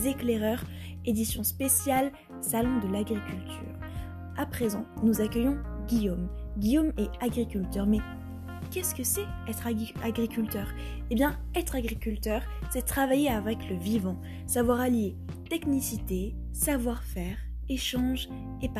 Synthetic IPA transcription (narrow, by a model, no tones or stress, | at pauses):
zekleʁœʁ | ed̪isjɔ̃spesjal | salɔ̃d̪əlaɡʁikʲylt̪ʰy̰ːʁ | apχezɑ̰̃nuzakʲœjɔ̃ɡʲijomɡʲijomeaɡʁikʲylt̪œʁmɛ | kʲɛskəsɛɛt̪χaɡʁikʲylt̪œʁ | ebjɛ̃ | ɛt̪χaɡʁikʲylt̪œʁ | sɛt̪χavajeavɛkləvivɑ̃ | savwaʁalje | t̪eknisit̪e | savwaʁfɛʁ | eʃɑ̃ʒ | ep